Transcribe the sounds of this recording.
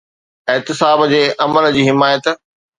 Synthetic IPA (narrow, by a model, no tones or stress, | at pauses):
ɪɦt̪ɪsaːbd͡ʑeːʔɐməld͡ʑiːɦɪmaːjət̪